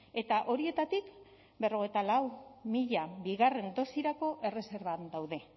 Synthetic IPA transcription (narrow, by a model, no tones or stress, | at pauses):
e̞t̪aʔo̞ɾie̞t̪at̪ik | be̞ro̞ɣ̞e̞jt̪alawmiʎabiɣare̞nd̪o̞siɾako̞ʔe̞re̞se̞ɾβand̪awðe̞